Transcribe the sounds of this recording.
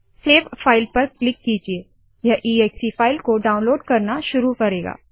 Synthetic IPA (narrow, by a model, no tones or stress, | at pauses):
seːʋfʰaːɪlpɐɾklɪkːiːd͡ʒieː | jɐɦʔiːeːksifaːɪlkoɖaːʊ̃nloːɖkɐɾnaʃʊɾukɐɾeːɡa̰ː